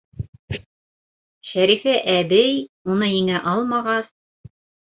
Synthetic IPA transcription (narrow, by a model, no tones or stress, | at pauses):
ʃæɾifæʔæbɘjunɤiŋæʔɑlˠmɑʁɑs